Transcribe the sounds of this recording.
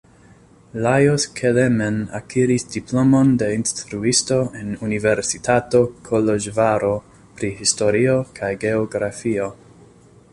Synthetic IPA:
lajoskʰelemena̰kʰiɾisdiplo̞mo̞nde̞instɾuisto̞e̞nunive̞ɾsitato̞kʰoloʒvaɾo̞ | pɾihisto̞ɾio̞kʰajɡe̞oɡɾafio̞

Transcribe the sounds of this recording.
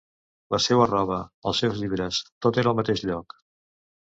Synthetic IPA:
ləsɛwərɔβ̞əəlˠsewzʎiβɾəst̪ot̪eɾəlˠmət̪eʃʎɔk

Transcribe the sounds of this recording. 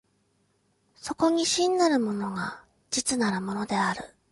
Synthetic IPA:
so̞ko̞ɲ̟iɕĩnːaɾɯ̟mo̞no̞ɡa | d͡ʑit͡sɨnaɾɯmo̞no̞d̪e̞aɾɯ̟

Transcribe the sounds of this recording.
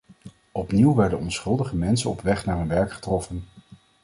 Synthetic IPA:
ɔpniwʋɛɹdənɔnsχɵlˠdəχəmɛnsənɔpʋɛχnaːɹɦɵnʋɛɹkχə̥trɔfən

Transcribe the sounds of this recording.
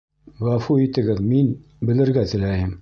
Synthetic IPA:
ʁɑfuit̪ɘ̆ɡɘðmin | bɘ̆lɘ̆ɾɡæt̪ɘ̆læjɘm

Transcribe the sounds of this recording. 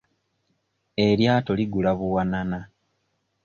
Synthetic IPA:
eɾjaːtoliɡulaβuwanana

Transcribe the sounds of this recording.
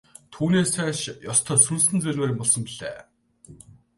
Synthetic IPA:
t̪ʰuːneːsæːʃjɔst̪ʰɔːsunsɘ̆nt͡sɵrʲweːɾʲĭmpɔɮsɞ̆mpiɮḛː

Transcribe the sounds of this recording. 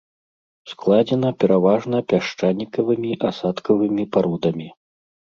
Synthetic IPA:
sklˠad͡zʲɛnɐpʲɛɾavaʐnɐpʲaʂt͡ʂanʲikɐvɨmʲiʔasat̪kɐvɨmʲipaɾud̪ɐmʲi

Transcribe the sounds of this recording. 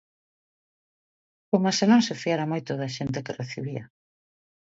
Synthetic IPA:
komasenõŋsefiaɾamojt̪ʊðɐʃent̪̬ekɪreθḭβiɐ̰

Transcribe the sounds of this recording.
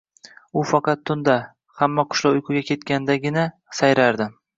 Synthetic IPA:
ʊfɑqʰɑt̪ʰːʊnd̪a | hamːaqʰʊ̥ʃlawʊjkʰʊɡʲakʲʰe̞t̪kʲanɪd̪aɡʲɪna | sajɾaɾd̪ɪ

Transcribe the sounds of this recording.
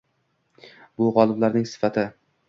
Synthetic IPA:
bʊʁɒlˠɪblaɾnɪŋsɪ̥fat̪ʰɪ

